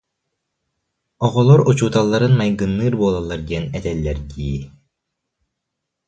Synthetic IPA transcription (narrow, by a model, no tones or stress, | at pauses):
ɔʁɔlˠɔɾut͡ɕuːt̪alˠːaɾɯnmajɡɯnːɯːɾbuːlˠalˠːaɾɡ̪iɛnɛt̪ɛlːɛɾd̪iː